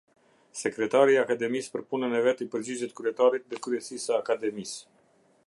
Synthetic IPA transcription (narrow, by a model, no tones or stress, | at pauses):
sɛkɾɛt̪aɾiakad̪ɛmispəɾpunənɛvɛt̪ipəɾd͡ʑid͡ʑɛt̪̚kɾyɛt̪aɾit̪ðɛkɾyɛsisəakad̪ɛmis